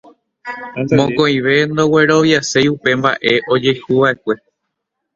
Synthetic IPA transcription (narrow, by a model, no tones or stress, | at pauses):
mõkõĩʋe̞nd̪o̞we̞ɾo̞ʋjasejupe̞mba̰ʔe̞ʔo̞d͡ʒe̞jhuʋaʔe̞kʷe̞